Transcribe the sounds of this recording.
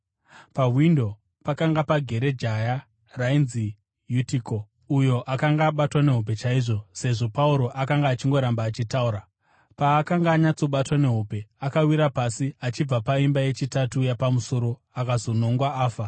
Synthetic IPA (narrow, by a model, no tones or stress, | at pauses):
paɦwindo̞ | pakaŋɡapaɡʱe̞ɾe̞d͡ʒaja | rainzi | jutiko̞ | ujo̞ʔakaŋɡaːɓatwane̞ɦup̬e̞t͡ʃaiʐo̞se̞ʐo̞pauɾo̞ʔakaŋɡaːt͡ʃiŋɡo̞ɾambaːt͡ʃitauːɾa | paːkaŋɡaːɲat͡so̞ɓatwane̞ɦupe̞akawiɾapasiat͡ʃib͡vapaimbaje̞t͡ʃitatujapamuso̞ɾo̞ | akazo̞no̞ŋɡwaaːfa